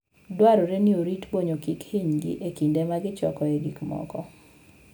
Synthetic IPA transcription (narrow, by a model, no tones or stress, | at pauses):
dwaɾoɾenioɾitboɲokikhiɲɡɪ̰ʔekindemaɡɪt͡ʃɔkɔeɡikmɔ̰kɔ